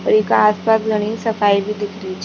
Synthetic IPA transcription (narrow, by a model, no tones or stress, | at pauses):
pɐɾɪkaːspasɡɐɽ̃isɐfʰaːibʱid̪ɪkʰɾit͡ʃʰ